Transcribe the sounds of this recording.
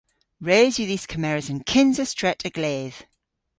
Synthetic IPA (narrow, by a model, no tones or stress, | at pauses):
ɹeːzjəðiːz̥kʰəmɛɹəzə̃nkʰɪ̃nzəstɹ̥ɛtʰəɡ̥leːð̥